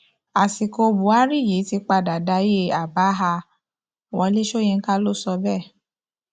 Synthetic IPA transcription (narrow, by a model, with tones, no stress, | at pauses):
a˨si˨ko˧bu˨a˦ɾi˦˨je˨˦ti˧˦k͡pa˧da˨da˧˦je˦˨a˨ba˨˦ɦa˧˨ | wɔ̃˨˧˦le˦ʃo˦˨jĩ˧ŋ̩˦ka˦lo˦sɔ˧bɛ˦˨